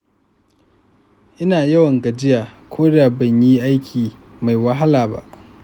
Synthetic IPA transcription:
ʔɪ˦naː˨jɐ˦wɐ˨ŋɡɐ˨d͡ʒɪ˦jaː˨kʷʰoː˦ɽɪ˦aː˨bɐ˨ɲji˦ʔa˦jkʲʰiː˨ma˨jwɐ˦ɦa˦laː˨ba̰˦ʔ

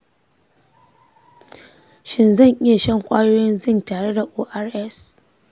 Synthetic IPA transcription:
ʃɪ˦nzɐ˦˨ɲʔɪ˦ja˨ʃɐ˦ŋkʷʼaː˦joː˦jɪ˦nzɪ˦˨ntaː˨ɽe˦da˨ʔoː˦ʔa˦rʔɛ˦s

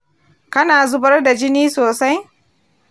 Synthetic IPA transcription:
kɐ˦naː˨zʊ˦bɐ˦rda˨d͡ʒɪ˦niː˦soː˨sa˦j

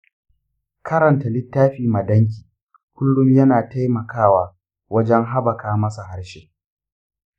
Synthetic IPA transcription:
kʰɐ˦ɾɐ˨nta˨lɪ˦tːaː˦ɸiː˨mɐ˨dɐ˦ŋk̬ʲiː˨ | kʷʊ˦lɽʊ˦mjɐ˦naː˨ta˦jmɐ˨kaː˦waː˨ | wɐ˦d͡ʒɛ˦ŋɦa˦bɐ˨kaː˦mɐ˦sa˨ha˦ɽʃeː˦

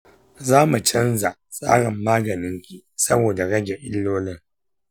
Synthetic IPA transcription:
zaː˦mu˨t͡ʃɐ˦nza˨ʔsʼa̰ː˦ɽɪ˨mːaː˦ɡɐ˨nɪ˦ŋkʲi˨sɐ˦boː˨da˨ɽɐ˦ɡʲe˨ʔɪ˦lːoː˦lɪ˦˨ŋ

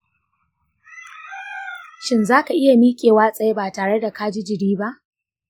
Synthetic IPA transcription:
ʃɪ˦nzaː˦ka˨ʔɪ˦ja˨miː˦kʲʼeː˨waː˦sʼɐ˨je˦baː˨taː˨ɽe˦da˨ka˦d͡ʒɪ˦d͡ʒɪ˨diː˦ba˦ʔ

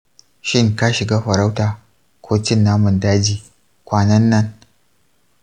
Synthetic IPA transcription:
ʃɪ˦ŋka˦ʃɪ˨ɡaː˦ɸɐ˨ɾa˦wtaː˨ | kʷʰoː˦tɪ˦nːaː˦mʊ˨ndaː˦d͡ʒiː˨ | kʷaː˨nɐ˦nːɐ˦ŋ

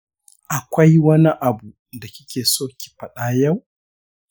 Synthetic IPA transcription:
ʔa˨kʷɐ˦jwɐ˦ni˦ʔa˨bu˨ | da˨kʲɪ˦kʲʰeː˨soː˦kʲi̥˨ɸɐ˨ɗaː˦jɐ˦˨w

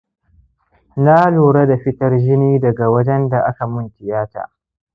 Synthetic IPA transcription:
na˦luː˨ɽɐ˦da˨ɸɪ˦tɐ˦rd͡ʒɪ˦niː˦dɐ˨ɡa˨wɐ˦d͡ʒɛ˦nda˨ʔa˦ka˨mʊ˦˨ntɪ˨jaː˦ta̰ː˨

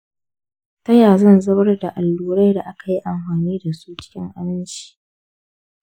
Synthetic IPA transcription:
tɐ˦jaː˨zɐ˦˨nzɐ˦bɐ˦rda˨ʔa˨lːuː˦ɾa˦jda˨ʔa˦ka˨ji˦ʔa˨mɸaː˨niː˦da˨suː˦t͡ʃɪ̥˦kʲɪ˦ŋʔa˦bɪ˦nt͡ʃi̥˨ʔ

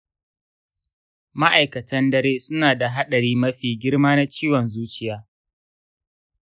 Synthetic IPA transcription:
ma˦ʔa˨jkɐ˨tɐ˦ndɐ˦ɾeː˦sʊ˦naː˨da˨ɦa˦ɗɐ˨ɽiː˦mɐ˦ɸiː˨ɡʲɪ˦ɽmaː˦na˦t͡ʃiː˦wɔ˨nzuː˦t͡ʃɪ˦jaː˦

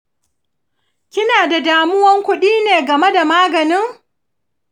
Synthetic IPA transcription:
kʲɪ˦naː˨da˨daː˨mʊ˦wɐ˦ŋkʷʊ˦ɗiː˦neː˨ɡɐ˨me˦da˨maː˦ɡɐ˨nɪ˦ŋ

